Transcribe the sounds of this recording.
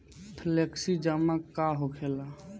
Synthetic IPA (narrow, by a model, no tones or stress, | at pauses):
pʰleksid͡ʒəmakaɦokʰela